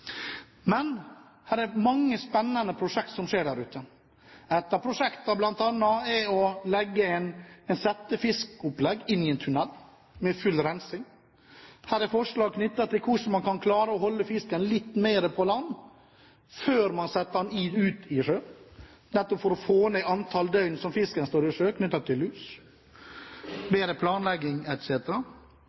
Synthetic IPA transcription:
mɛn | hæːɾɛɾmɑŋːəspɛnːɑnəpʰɾʊʂɛk̚t̪sɔmʂeːɖæːɾʉːt̪ə | ɛt̪ːəɾpʰɾʊʂɛkt̪ɑblɑnt̪ɑnːɑɛɔlɛɡːəɛnɛɪnsɛt̪ːəfɪskʊplɛɡɪnːɪɛnt̪ʰʉnɛlː | mɛfʉlːɾɛnsɪŋ | hæːɾɛɾfɔʂlɑːɡ̚kʰnʏt̪ːɑt̪ʰɪlkʰʊʂn̩mɑnkɑnkʰlɑːɾəɔhɔlːəfɪskənlɪt̪ːmeːɾəpʰɔlɑnː | føːɾmɑnsɛt̪ːəɑniʉːt̪ɪʂøː | nɛt̪ːɔpfɔɾɔfoːnæɪɑnt̪ʰɑld̪œʏnsɔmfɪskənst̪oːɾɪʂøːkʰnʏt̪ːɑt̪ʰːɪllʉːs | beːɾəpʰlɑːnlɛɡːɪŋɛt̪seːt̪əɾɑ

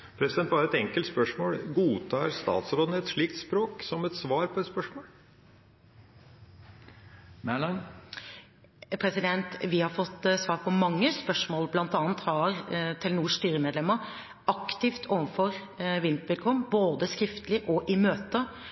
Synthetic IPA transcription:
pʰɾɛsɪd̪ɛnt̪̚bɑːɾəɛt̪ɛŋkəlt̪spœʂmoːlɡuːt̪ʰɑːɾst̪ɑ̰ːt̪sɾoːd̪nəɛt̪ʂɭiːk̚t̪spɾoːksɔmɛt̪sʋɑːɾpʰɔɛt̪spœʂmoːl | mælɑn | pʰɾɛsɪd̪ɛnt̪ʋɪhɑɾfɔt̪ːsʋɑːɾpʰɔmɑŋːəspœʂmoːlblɑnt̪ɑːnt̪hɑɾt̪ʰɪlnuːʂst̪yːɾəmɛːd̪lɛmːə | ɑkt̪ɪft̪ʰoːʋənfɔɾ | ʋɪnt̪ʋɪlkʰɔmboːd̪əskɾɪft̪əlɪʔɔʔɪmøːt̪ə

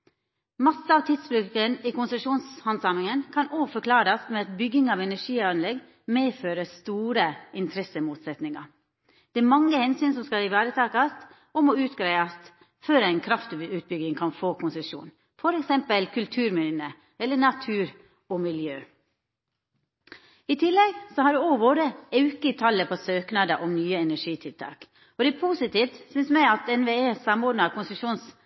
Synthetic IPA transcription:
mɑsːəɑʋt̪ʰɪd̪sbɾʉkəniːkʊnsəʃuːnshɑnsɑmɪŋənkʰɑnoːfɔɾkʰlɑːɾɑst̪mɛɑt̪bʏɡɪŋɑːʋɛnæʂiːɑnlɛɡ | meːføːɾəst̪uːɾəɪnt̪ʰɾɛsəmuːt̪sɛt̪nɪŋɑ̰ | d̪̥ɛæmɑŋːəhɛnsyːnsɔmskɑlɪʋæːɾət̪ʰɑːkɑst̪ | ɔmɔʉːt̪ɡɾæɪɑst̪ | føːɾæɪnkʰɾɑft̪ʉːt̪̚bʏɡɪŋkʰɑnfoːkʰʊnsəʂṵːn | fɔɾɛksɛmpəlkʰʉlt̪ʰʉːɾmɪnə | ɛlːənɑt̪ʰʉːɾ | ɔmɪljøː | ɪt̪ʰɪlːɛɡsɔhɑɖʉoʋoːɾəɑʉkət̪ʰɑlːəpʰɔsøːknɑd̪əʔɔmnyːəɛnæʂiːt̪ʰɪlt̪ʰɑ̰ːk | ɔd̪ɛæpʰuːsɪt̪iːft̪sʏnsmæɪɑt̪ɛnʋeeːsɑmoːɖnɑɾkʊnsəʂuːns

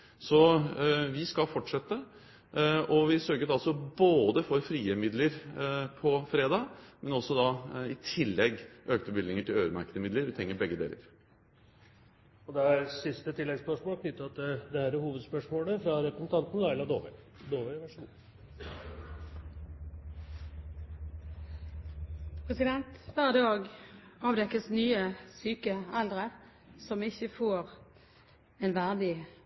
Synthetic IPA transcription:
sɔ | ʋɪskɑlfɔʈʂɛt̪ːə | ɔʋɪsœɾɡət̪ɑlsɔboːd̪əfɔɾfɾiːəmɪd̪ləɾpʰɔfɾeːd̪ɑːmɛnɔsːɔd̪ɑɪt̪ʰɪlːɛɡʔøːk̚t̪əbɪlnɪŋəʈʰɪløːɾmæ̰ɾkəd̪əmɪd̪ləɾʋɪt̪ʰɾɛŋːəbɛɡːəd̪ḛːlə̰ɾ | ɔd̪ɛæɾsɪst̪ət̪ʰɪlːɛɡspœʂmoːlkʰnʏt̪ːəɑt̪əd̪ɛhæːɾæhuːʋəd̪spœʂmoːləfɾɑɾɛpɾəsn̩t̪ɑnt̪nəɑɪlɑd̪oːʋə̰ | d̪oːʋəʋæʂmṵ | pʰʁɛsɪd̪ɛnt̪ʋæʁd̪ɑːɡɑːʋd̪ɛkəsnyːəsyːkəɑld̪ʁə | sɔmɪçəfoːʁ | ɛːnʋæʁd̪ɪ

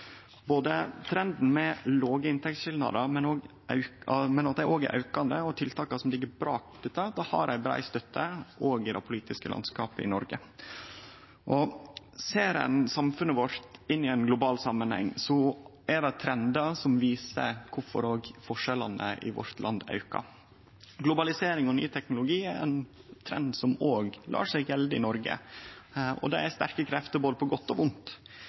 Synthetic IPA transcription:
boːd̪ət̪ʰɾɛnd̪n̩mɛloːɡəɪnt̪ʰɛkt̪sʃɪld̪nɑ̰d̪əmɛnoːɡ | ɑ̰ʉɑmɛnɑt̪̚d̪ɛɾʔoːɡ̰ʔɑ̰ʉkɑnd̪əɔt̪ʰɪlt̪ʰɑːkɑsɔmlɪɡːəɾbɾɑːkt̪ʉːt̪ːɑd̪ɑhɑ̰ɾæɪbɾɑ̰ːɪst̪œt̪ʰːəʔoːɡɪd̪ɛpʰʊliːt̪ɪskəlɑ̰nskɑːpəɪ̰nɔɾɡə | ʔɔ | seːɾɛ̰nsɑmfʉnəʋɔɾt̪ɪnːɪɛɪnɡlʊbɑːlsɑmːənhɛ̰ŋːsɔʔæɖɑt̪ʰɾɛnd̪ɑsɔmʋiːsə̰kʰʊfɔ̰ɾoːɡfɔʂɛlɑnə̰ʔɪ̰ʋɔ̰ɾt̪lʔɑnd̪ɑ̰ʉkɑ̰ | ɡlʊbɑlɪseːɾɪŋɔny̰ːt̪ʰɛknʊlʊɡiːæɾɛ̰nt̪ʰɾɛ̰nd̪sɔmoːɡlʔɑ̰ːʂɛɪɡʋɛld̪əɪnɔɾɡə̰ | ɔ̰d̪ɛæɾst̪æɾkəkʰɾɛft̪əboːlpʰɔɡɔt̪ːɔʋʊnt̪

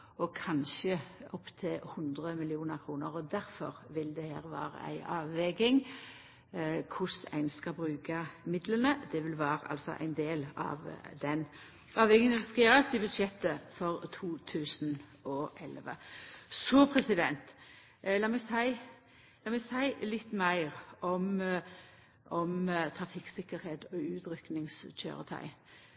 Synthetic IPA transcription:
ɔkʰɑnʃəɔpːt̪ʰɪlhʊnd̪ʁəmɪlɪuːnəɾkʰɾuːnəɾɔd̪æɾfɔ̰ɾʋɪld̪ɛhḛːʁʋɑ̰ːɾə̰æ̰ɪʔɑːʋʋɛɡɪŋ | kʰʊsæ̰ɪnskɑbɾʉːkɑmɪd̪lənəd̪ɛʋɪlʋæːɾəʔɑ̰lsɔ̰ʔæ̰ɪnd̪eːlɑ̰ʋd̪ɛn | ɑːʋɛɡɪŋəʋɪlskɑjøːɾəst̪ɪbʉd̪ʂɛt̪ːəfɔʁt̪ʰuːt̪ʰʉːsn̩ɔʔɛlʋə̰sɔpʰɾɛsɪd̪ɛnt̪ | lɑːmɛɡsæɪ | lɑːmɛɡsæɪlɪt̪ːmæɪʁɔm | ʔɔmt̪ʰɾɑfɪksɪkːəɾheːt̪ɔʉːt̪ɾʏknɪŋsc͡çʰø̰ːʁət̪ʰæ̰ɪ

